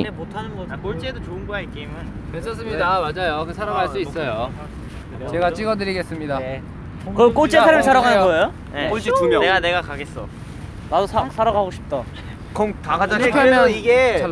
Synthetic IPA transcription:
emotʰanɯnɡʌkoɭt͡ɕ͈edot͡ɕoɯnɡʌaekeimɯnkesʰʌs͈ɯmɲidaad͡ʑajokɯsʰaɾaɡɦaɭs͈uis͈ʌjo | t͡ɕe̞ɡat͡ɕ͈iɡʌdɯɾiɡe̞s͈ɯmɲida | kɯk͈ot͡ɕ͈eaɾimɯɭsʰaɾaɡanɯɡʌejo | jeoɭt͡ɕitumjʌneɡane̞ɡakaɡe̞s͈ʌ | nadosʰasʰaɾaɡaɡoɕʰi̥p̚t͈a | kʌmtaɡad͡ʑaoppʰʌmjʌiɡe

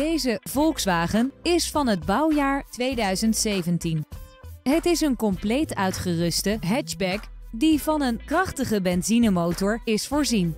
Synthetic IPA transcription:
dejzəv̥ɔlˠksʋaːχənɪsfɑnɦəd̚bʌwjaːɹtʋejdœɥzəntsejvəntin | ɦətɪsənkɔmplejtœɥtχərɵstəɦɛt͡ʃbɛkdivɑnənkrɑχtəχəbɛnzinəmowtɔɹɪsfʊːɹzin

